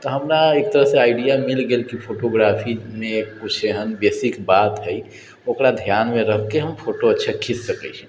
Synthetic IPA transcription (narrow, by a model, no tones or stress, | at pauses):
t̪ɔɦəmɾaeːk̚t̪əɾəɦsẽaːɪɖijamilɡelkipʰoʈoɡɾapʰimẽkput͡ʃʰeɦənbesikbat̪ɦɛj | okɾad̪ʱjanmẽɾəɦkeɦəmpʰoʈoətːʃʰakʰisːəkɛ̰t͡ʃʰɛ̥̃